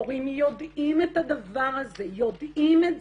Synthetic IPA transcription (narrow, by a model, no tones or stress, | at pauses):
ʁimjod̪imet̪ad̪avaʁazejod̪ime